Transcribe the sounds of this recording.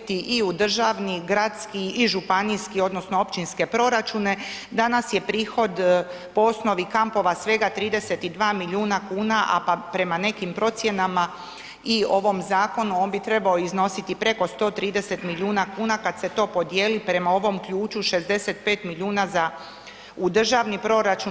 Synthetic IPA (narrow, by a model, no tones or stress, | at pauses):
t̪iʔiud̪r̩ʒaːʋniɡɾad̪skiiʒupaniskio̞d̪no̞snoo̞pt͡ʃinske̞pɾo̞ɾat͡ʃune̞ | d̪anasje̞pɾiːxo̞d̪ | po̞o̞sno̞ʋikampo̞ʋasʋe̞ɡat̪ɾiːd̪e̞set̪id̪ʋaːmilʲuːnakuːnaʔa̰papɾe̞mane̞kimpɾo̞t̪sje̞nama | io̞ʋo̞mzaːko̞nuoːnbit̪ɾe̞baoizno̞sit̪ipɾe̞ko̞st̪o̞ːt̪ɾiːd̪e̞se̞t̪milʲjuːnakuːnakad̪se̞t̪o̞ːpo̞d̪jeːlipɾe̞mao̞ʋo̞mkʎuːt͡ʃuʃe̞zd̪e̞se̞t̪̚pe̞ːt̪milʎʲuːnaza | ud̪r̩ʒaʋnipɾo̞ɾat͡ʃun